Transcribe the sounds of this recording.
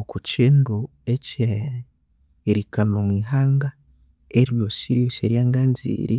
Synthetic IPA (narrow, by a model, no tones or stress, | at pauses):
okuciːndu | ece | ɾikanomwiːɦaːŋɡa | eɾjosiɾjoseɾjaːŋɡaːnzḭːɾʔi